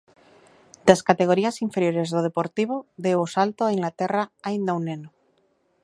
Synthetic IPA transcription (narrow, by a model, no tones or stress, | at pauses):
d̪askat̪e̞ɣ̞o̞ɾiasiɱfe̞ɾjo̞ɾe̞zðoð̞epo̞ɾt̪iβ̞oðeosalt̪oaiŋɡlat̪eraajnd̪awneno